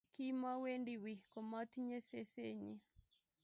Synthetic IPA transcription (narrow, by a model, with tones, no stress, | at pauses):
ki˦ma˦we˦ndi˨wi˨ko˨mɔ˦t̪ɲe˦se˦se˦ɲi˦